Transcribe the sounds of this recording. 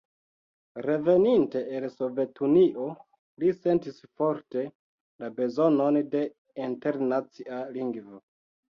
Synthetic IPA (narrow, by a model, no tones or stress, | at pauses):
ɾe̞ve̞ninte̞ʔːlso̞ve̞tʰuniʔo̞ | lise̞ntisfo̞ɾte̞ | labe̞zo̞no̞nde̞ | inte̞ɾnat͡sialiŋɡvo